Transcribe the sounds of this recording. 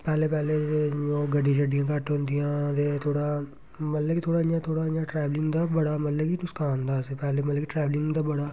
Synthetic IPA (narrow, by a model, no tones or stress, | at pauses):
pɛːleːpɛːleːoːɡəɖːĩd͡ʒəɖɪjãːkəʈɦõːnd̪ijãːt̪eːt̪ʰoːɽaː | mət̪ləkit̪ʰoːɽaːɪjãːt̪ʰoːɽaːjãːʈɾɛːʋlɪ̃ŋɡd̪aːbəɽaːməlləkinʊskaːnd̪aːsepɛːleːmət̪ləkiʈɾɛːʋlɪ̃ŋɡd̪aːbəɽaː